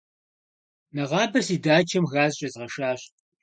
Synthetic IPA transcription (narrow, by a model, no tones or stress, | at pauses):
nɐʁɑːbɐrsiːdaːt͡ʃʰɐmɣaːzɕʼɐzʁɐʂaːɕʼ